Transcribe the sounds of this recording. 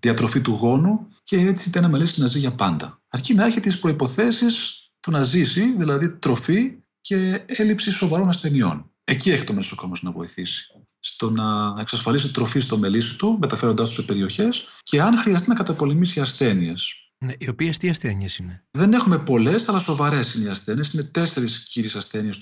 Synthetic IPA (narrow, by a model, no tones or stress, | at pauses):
ðiɐt̪ɾo̞fit̪uɣo̞nu | ce̞et͡siit̪enɐmelisinɐziʝɐpɐnd̪ɐ | ɐɾcinɐeçet̪eispɾo̞ipo̞θe̞sis | t̪onɐzisiðilɐðit̪ɾo̞fi | ce̞e̞lipsiso̞vɐɾo̞nɐsθe̞nio̞̰n | e̞cie̞çit̪o̞meso̞komosnɐvo̞iθisi̥ | st̪o̞nɐeksɐsfɐlisit̪ɾo̞fist̪o̞me̞lisi̥t̪umet̪ɐfe̞ɾod̪ɐst̪u̥sepe̞ɾio̞çe̞sce̞ɐnxɾiɐs̬t̪inɐkɐt̪ɐpo̞le̞misiɐsθe̞nies | neiopiest̪iɐsθeniesineðe̞ne̞xume̞po̞le̞sɐlɐso̞vɐɾe̞siniɐsθeniesine̞t̪e̞se̞ɾisciɾisɐsθe̞nies